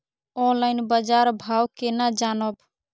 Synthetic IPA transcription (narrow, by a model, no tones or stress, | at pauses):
õlaɪnbəd͡ʒaɾbʱawkenad͡ʒanɔb